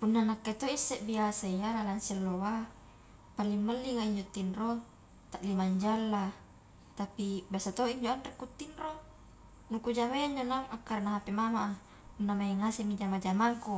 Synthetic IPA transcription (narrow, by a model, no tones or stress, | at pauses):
punːanakːet̪oisːɛʔbiasaijalalansilːowa | palːimməlːiŋaiɲd͡ʒot̪ːinro | t̪aʔlimaɲd͡ʒalːa | t̪apibiasat̪oiɲd͡ʒoanrɛkːut̪ːinro | nukud͡ʒaβeaɲd͡ʒonaŋakːarnaɦapemamaʔa | punːamaŋasimid͡ʒamad͡ʒamaŋku